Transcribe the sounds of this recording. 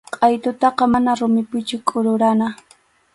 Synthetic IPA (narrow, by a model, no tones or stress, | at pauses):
qʼɑjt̪ʊt̪ɑqɑmanaɾʊmɪpʊt͡ʃʊkʼʊɾʊɾana